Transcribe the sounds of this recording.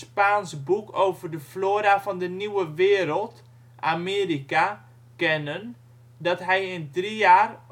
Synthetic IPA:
spaːnsbukʰowvərdəfloːɾafɔndəniwəʋɪːɾəlˠt | ʔameːrika | kɛnən | dɔtɦɛjəndriaːr

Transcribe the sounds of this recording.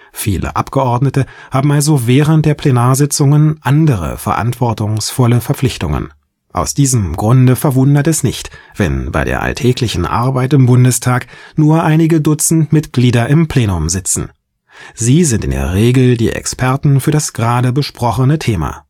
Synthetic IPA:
fiːlʔə̰ʔapɡ̥əʔɔɐdnətəhaːbm̩alzovɛːʁənt̚d̥eːɐpʰlenaːɐzɪt͡sʊŋənʔandəʁ̞ə̰fɛɐʔa̰ntv̥ɔɐtʊŋsfɔləfɛɐp͡flɪçtʊ̰ŋə̰n | ʔa̰ʊsd̥iːzəmɡʁʊndəfɛɐvʊndɐtɛsnɪçtv̥ɛ̰nba̰ɪɾḛːɐʔa̰ltʰɛːklɪçn̩ʔa̰ɐbaɪtɪmbʊndəstʰaːknuːɐʔaɪnɪɡədʊt͡sn̩tmɪtɡ̥liːdɐɪmpʰl̥eːnʊmzɪt͡sn̩ | ziːzɪntɪ̰ndḛːɐʁeːɡl̩dḭːʔɛ̰kspʰɛɐtn̩fyːɐɾasɡ̥ʁaːdəbəʃpʁ̥ɔχənətʰeːma̰ː

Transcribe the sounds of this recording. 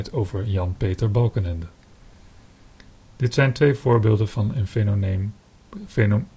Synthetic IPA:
jtʰowvəɹjɑnpejtəɹbɑlˠkənɛndə | d̥ɪtsɛjntʋejv̥ʊːɹbɪːlˠdəvɑnən

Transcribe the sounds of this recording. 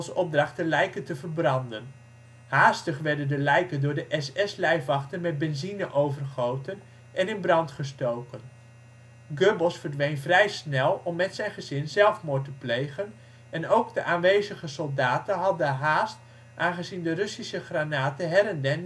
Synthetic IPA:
lˠsɔb̚drɑχtəlɛjkəntəvəɹbrɑndən | haːstəχʋɛɹdəndəlɛjkəndʊːɹdəʔɛsɛslɛjfɑχtənmɛd̚bɛnzinəʔowvərχowtən | ʔɛnɪnbrɑntχəstowkən | ɡøbəlˠsfəɹdʋejnvrɛjsnɛlˠɔmːɛtsɛjnχəzɪnzɛlˠfmʊːɹtəplejχən | ɛnowɡdəʔaːnʋejzəχəsɔlˠdaːtənɦɑdəɦaːst | ʔaːnχəzindərɵsisəχranaːtəɦɛɾɛndɛn

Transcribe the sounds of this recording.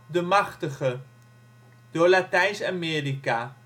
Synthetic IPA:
dəmaχtəχə | d̥olatɛjnsameːrika

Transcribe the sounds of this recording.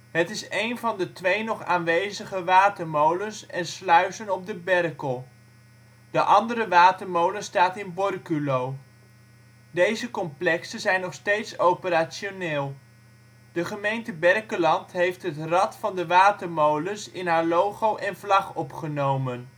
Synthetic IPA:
ɦətɪsejnvɑndətʋejnɔχa̰ːnʋejzəχəʋaːtəɹmowlənsɛnslœɥsənɔb̚dəbɛrkəlˠ | d̥əʔɑndəɾəʋaːtəɹmowlənstaːtɪnbɔrkylow | dejzəkɔmplɛksəzɛjnːɔχstejtsowpəɾaːsoneːlˠ | d̥əχəmejntəbɛrkəlɑntɦejftɦətrɑtfɑndəʋaːtəɹmowlənsɪnɦaːɹlowχowʔɛnvlɑχɔpχənowmən

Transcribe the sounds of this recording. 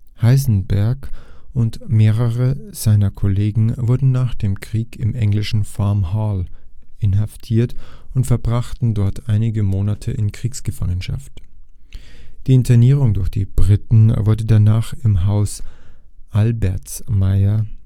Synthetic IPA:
haɪzn̩bɛɐkʊntmeːʁəʁəz̥aɪnɐkʰɔleːɡŋ̩vʊɐdn̩naːχd̥eːmkʁ̥iːkɪmʔɛŋlɪʃn̩famhaːlʔɪnɦaftʰiːɐtʊntfɛɐbʁaχtn̩dɔɐtʔaɪnɪɡəmoːnatʰəʔɪnkʁ̥iːksɡ̥əfa̰ŋənʃa̰ft | d̥iːɪntɐniːʁ̞ʊŋdʊɐçd̥ḭːb̥ʁɪtn̩vʊɐdədanaːχɪmɦaʊs | ʔalbɛɐt͡smaɪɐ

